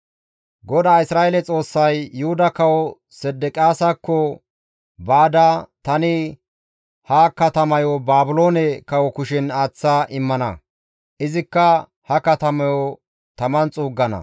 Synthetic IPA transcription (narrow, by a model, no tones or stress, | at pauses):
ɡɔd̪aːɪsɾaːelɛt͡sʼo̞ːsːɐjːʊhʊd̪ɐkɐwɔ | sɛd̪ɛkʼjaːsɐkːɔ | baːd̪ɐt̪ɐnɪ | hɐkɐt̪ɐmɐjɔbaːbʊlo̞ːnɛkɐwɔkʊʃɪnaːt͡sːaʔɪmːɐnɐ̰ | ʔɪzɪkːɐ | hɐkɐt̪ɐmɐjɔ | t̪ɐmɐnt͡sʼuːɡːɐnɐ̰